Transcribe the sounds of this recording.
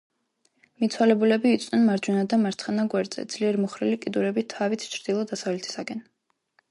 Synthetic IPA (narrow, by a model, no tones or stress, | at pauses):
mit̪sʰwalɛbulɛbiːt̪sʼnɛnmaɾd͡ʒunad̪amaɾt̪sʰχanaɡwɛɾd̪z̥ɛ̰d̪z̥liɛɾmuχɾilikʼid̪uɾɛbit̪ʰavit̪ʰt͡ʃʰɾd̪̥ilˠɔd̪asavlɛt̪ʰi̥saɡɛn